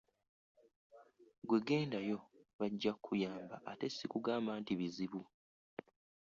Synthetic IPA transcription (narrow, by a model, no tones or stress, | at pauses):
ɡwe̞ɡe̞ːndajo̞βaɟːakʰːujaːmbaʔːte̞sːikuɡaːmbaːntiβiziβu